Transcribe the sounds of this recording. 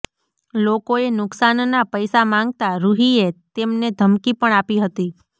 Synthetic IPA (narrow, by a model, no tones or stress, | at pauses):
lokoenʊksannapəjsamãŋɡt̪aɾuɦiet̪emned̪ʱəmkipəɳ̃apiɦət̪i